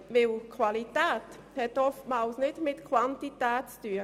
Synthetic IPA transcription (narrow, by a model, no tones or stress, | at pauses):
ʋɪlkʰwalit̪ɛːt̪ | hɛtɔftmaːlsnɪdmɪtkʰwantit̪ɛːtt͡styːə